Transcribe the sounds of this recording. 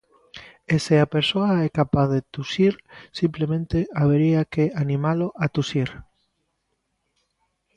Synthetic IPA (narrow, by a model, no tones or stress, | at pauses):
eseapeɾsoaɛkapaθðet̪usiɾsimplemẽnt̪eaβeɾiakeanĩmaloʔat̪usiɾ